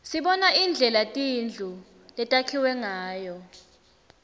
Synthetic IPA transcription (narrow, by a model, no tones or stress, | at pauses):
siɓɔnaind͡ɮʱɛlatʼind͡ɮʱu | lɛtʼakʰiwɛŋaːjɔ